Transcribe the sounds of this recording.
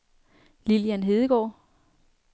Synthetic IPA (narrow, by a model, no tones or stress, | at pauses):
liljænɦe̝ðˠəɡ̥ɒ̰ː